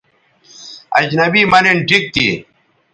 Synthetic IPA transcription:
ɐd͡ʑnɐbiːmɐneɳʈʰik̚t̪ḭ

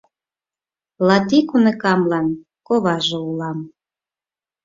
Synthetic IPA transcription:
lɑt̪ikunekɑmlɑn | koβɑʒoulɑm

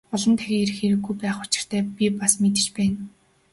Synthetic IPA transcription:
ɔɮɞ̆nt̪ʰæɣʲeːeɾ̆xeːɾɘ̆ɡːujpæːχʊt͡ɕɪ̥̆r̥t̪ʰæːpʲipasmet̪ɘ̆t͡ɕpæːn

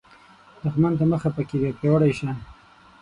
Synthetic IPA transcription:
d̪̥əxmant̪aməxapəkebepewaɽajʃan

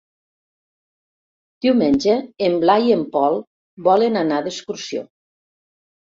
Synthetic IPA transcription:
d̪̥iwmenʲd͡ʒeːmblajiempɔlˠ | bɔlenanaðeskuɾsio̰

